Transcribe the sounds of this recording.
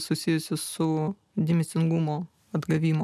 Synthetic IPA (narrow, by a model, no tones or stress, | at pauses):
sʊsʲɪjʊsʲɪsʊ | d̪ʲɪmʲɪsʲɪŋɡʊmoː | ɐd̪ɡɐʋʲiːmo